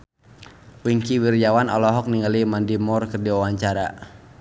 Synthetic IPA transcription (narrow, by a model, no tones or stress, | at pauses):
wiŋkiwird͡ʒawanɔ̰lɔɦɔk̚niŋalimandimɔrkɨrdiawaɲt͡ʃaɾa̰